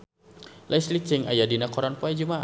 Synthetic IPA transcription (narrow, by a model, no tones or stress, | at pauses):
lʔaislit͡ʃɛŋa̰jadinakɔɾanpuad͡ʒumaʔ